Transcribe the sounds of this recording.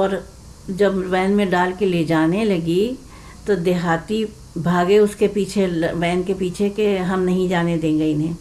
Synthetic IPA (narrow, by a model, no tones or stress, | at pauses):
ɔːɾ | d͡ʒɐbʋɛːnmẽɖaːlkeled͡ʒaːnelɐɡi | t̪od̪eɦaːt̪i | bʱaːɡeʊskepiːt͡ʃʰeʋɛːnkepiːt͡ʃʰekeɦɐmnɐɦĩd͡ʒaːned̪ẽːɡɐinẽː